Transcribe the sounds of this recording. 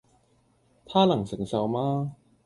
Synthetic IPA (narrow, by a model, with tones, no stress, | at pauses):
t̪ʰaː˥˩lɐ˨˩ŋsɪ˨˩˦ŋsɐ˧wmaː˥